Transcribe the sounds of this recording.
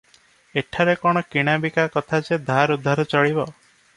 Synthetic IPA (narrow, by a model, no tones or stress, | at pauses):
eʈʰaɾekɔɽ̃ɔkiɽ̃abikakɔt̪ʰat͡ʃed̪ʱaɾud̪ʱːaɾɔt͡ʃɔɭibɔ